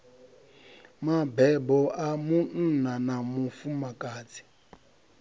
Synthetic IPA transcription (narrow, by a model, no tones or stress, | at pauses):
mabɛbɔʔamun̩nanamufumakʼaːt͡sʰi̥